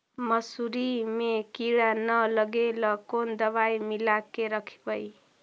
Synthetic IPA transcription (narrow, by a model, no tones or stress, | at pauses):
mʌsuɾimekiɽanʌlʌɡelʌkond̪ʌβajmilakːeɾʌkʰi̥pʌj